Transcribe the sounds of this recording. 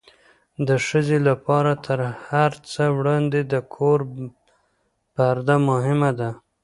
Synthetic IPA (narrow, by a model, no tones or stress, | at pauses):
d̪əʃəzelapɑɾat̪ʰəɾhaɾt͡səwɽɑnd̪ed̪əkʰoɾ | paɾd̪amʊɦɪmad̪a